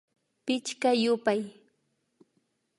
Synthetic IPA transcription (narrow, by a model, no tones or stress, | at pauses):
pɪt͡ʃkajʊpaj